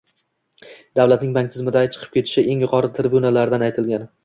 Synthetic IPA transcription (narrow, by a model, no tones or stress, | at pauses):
d̪awlat̪̚nɪŋbaŋʲt̪ʰɪzmɪd̪at͡ʃʰɨ̥qʰɨp̚kʲe̞t̪ʰɪ̥ʃɪʔe̞ŋjʊqʰɒɾɪt̪ʰɪɾɪbunalaɾd̪anajt̪ʰɪlɡʲan